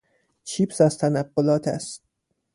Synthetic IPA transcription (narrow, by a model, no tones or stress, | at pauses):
t͡ʃʰiːpsæzt̪ʰænæb̥ːolɒːt̪ʰæst̪̚